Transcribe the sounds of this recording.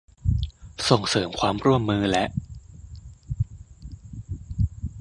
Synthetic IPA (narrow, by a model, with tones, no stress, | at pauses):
so˨˩ŋsɤː˩˦mkʰwaː˧mɾu˥˩əmːɯː˧lɛ˦˥ʔ